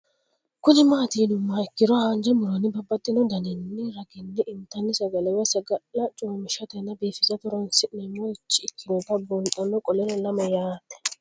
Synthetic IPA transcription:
kʊnɪmaːt̪iːnʊmːaɪkːɪɾɔhand͡ʒɛmʊɾɔnɪbɐbːɐt̪ʼːɪnɔd̪ɐnɪnːɪɾɐɡɪnːɪɪmt̪ɐnːɪsɐɡɐlɛwɛsɐɡɐlːɐt͡ʃʼuːmɪʃɐt̪ɛnːɐbeːfɪzɐt̪ʊɾɔnsɪʔnɛmːoɪt͡ʃːɪɪkʰːɪnɔt̪ɐbʊnt̪ʼːɐnːɔkʼɔlɛnɛlɐmɐjaːt̪ːɛ̥

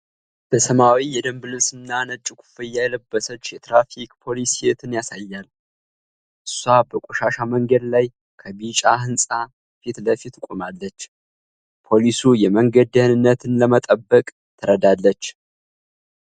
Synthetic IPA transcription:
b̥əsəmawijɛd̪əmbɨlɨsɨnnanət͡ʃʼːɪkʷʰu̥fɨjːajɛləbːəsət͡ʃːjɛt̪ɾafikʼpʰo̞lisiet̪ʰɨnjasajːal | ʔɨsːwabəkʷʼuʃaʃaməŋɡəd̪laj | kʰəbit͡ʃʼaɦɨnsʼa | fit̪ləfit̪kʷʼumalːət͡ʃː | pʰo̞lisujɛməŋɡəd̪ənɨnːət̪ʰɨnləmət̪ʼəbːəkʼ | t̪ʰəɾəd̪alːət͡ʃː

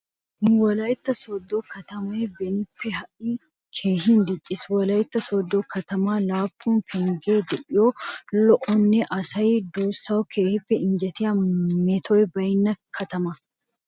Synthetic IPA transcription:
wɐlɐjt̪ːɐsɔd̪ːoːkɐt̪ɐmebɛnɪfːɛhɐʔi | kʰeːɦind̪ɪt͡ʃʼːɪswɐlɐjɪt̪ːɐsɔd̪ːokɐt̪ɐmaːlaːpːuːnkʰɛŋɡeːd̪ɛʔɪjoːlɔʔɔnːɛʔɐsɐjd̪uːsːɐwɔkʰeːhɪfːɛɪɲd͡ʒɛt̪ɪjɐmeːt̪ʰɔːwɛbɐjɪnːɐkʰɐt̪ɐmɐ

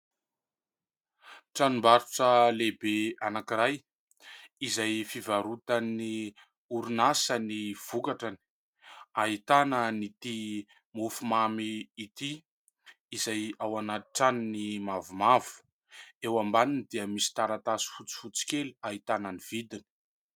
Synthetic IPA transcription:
ʈ͡ʂanimbaɾuʈ͡ʂəlebeanakiɾaj | izajfivaɾut̪ani | uɾunasəniv̥ukaʈ͡ʂani̥ | aɦit̪anənit̪i | mufumamiːt̪i | izajawanaiʈ͡ʂaninimavumavu̥ | ewambaninid̪iəmisi̥t̪aɾat̪asi̥fut͡si̥fut͡si̥keliaɦit̪anəniv̥id̪ini̥

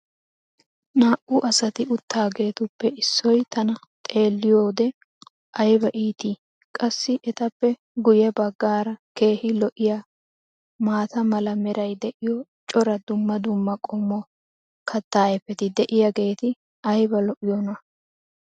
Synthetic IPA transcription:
naːʔʊʔɐsɐt̪ɪʊt̪ːaːɡe̞ːt̪ʊpːɛɪsːɔjt̪ɐnɐ | t̪ʼe̞ːlːɪjoːd̪ɛ | ʔɐjbɐʔiːt̪iː | kʼɐsːɪʔɛt̪ɐpːɛ | ɡʊjɛbɐɡːaːɾɐke̞ːhɪlɔʔɪja | maːt̪ɐmɐlɐmɛɾɐjd̪ɛʔɪjɔt͡ʃʼɔɾɐd̪ʊmːɐd̪ʊmːɐkʼɔmːɔ | kʰɐt̪ːaːɛpːɛt̪ɪd̪ɛʔɪjɐɡe̞ːt̪ɪ | ɐjbɐlɔʔɪjɔnɐ

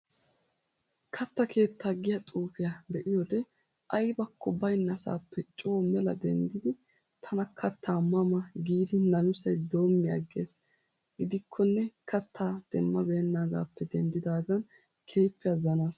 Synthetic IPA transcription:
kʰɐt̪ːɐkʰe̞ːt̪ʰːaːɡɪjɐt̪ʼuːfɪjɐbɛʔɪjod̪ɛ | ʔɐjbɐkʰːɔbɐjnːɐsa̰ːpːɛt͡ʃʼo̞ːmɛlɐ̰d̪ɛnd̪ɪd̪ɪ | t̪ʰɐnɐkʰɐt̪ʰːaːmːɐmɐɡiːd̪ɪnɐnʊsɐjd̪o̞ːmːɪɐ̰ɡːe̞̰ːs | ɡɪd̪ɪkʰːɔnːɛkʰɐt̪ːaːd̪̥ɛmːɐbeːnːaːɡa̰ːpːɛd̪ɛnd̪ɪd̪aːɡɐn | kʰe̞ːpːɪɐzɐnaːs

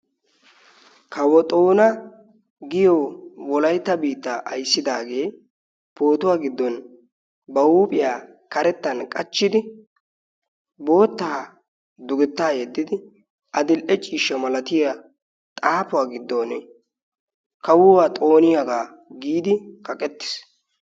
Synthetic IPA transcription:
kʰɐwɔt̪ʼoːnɐ | ɡɪjɔwɔlɐjt̪ːɐbiːt̪ːaʔɐ̰jsːɪd̪aːɡe̞ː | po̞ːt̪ʊwaːɡɪd̪ːɔn | bɐuːpʼɪjaː | kɐɾɛt̪ːɐnkʼɐt͡ʃːɪd̪ɪ | bo̞ːt̪ːaː | d̪ʊɡɪt̪ːaːjɛd̪ːɪd̪ɪ | ʔɐd̪ɪlʔɛt͡ʃʼiːʃːɐmɐlɐt̪ɪja | t̪ʼaːpʊwaːɡɪd̪ːɔn | kɐwʊwaːt̪ʼo̞ːnɪjɐɡaː | ɡiːd̪ɪkɐkʼɛt̪ːɪ̥s

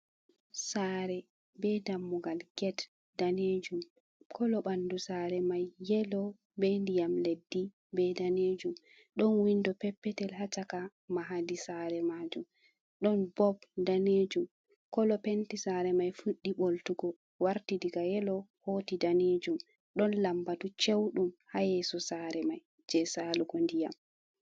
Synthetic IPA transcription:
saːɾɛ | bɛdamːuɡalɡɛt | daned͡ʒum | kʰɔlɔɓandusaɾɛmajːɛlɔ | bendijamledːi | bɛdaneːd͡ʒum | ɗɔnwindɔpɛpːɛtɛlhat͡ʃaka | maɦadisaɾɛmaːd͡ʒum | ɗɔnbɔbdaned͡ʒum | kɔlɔpentisaɾɛmajfuɗːiɓoltuɡɔ | waɾtidiɡajɛlɔhoːtidaned͡ʒum | ɗɔnlambatut͡ʃewɗumhajɛsɔsaɾɛmaj | d͡ʒɛsaluɡɔndija̰m

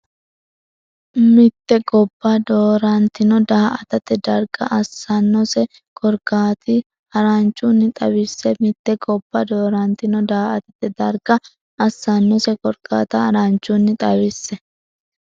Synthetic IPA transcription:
mɪt̪ːɛɡɔbːad̪oːɾɐnt̪ɪnɔd̪aːʔɐt̪ɐt̪ːɛd̪ɐɾɡɐʔɐsːɐnːɔsɛ | kɔɾkaːt̪ɪ | hɐɾɐnt͡ʃːunːɪt̪ʼɐbɪsːɛmɪt̪ːɛɡɔbːɐd̪oːɾɐnt̪ɪnɔd̪aːʔɐt̪ɐt̪ːɛd̪ɐɾɡɐ | ɐsːɐnːɔsɛkɔɾka̰ːt̪ɐhɐɾant͡ʃːunːɪt̪ʼɐwɪsːɛ

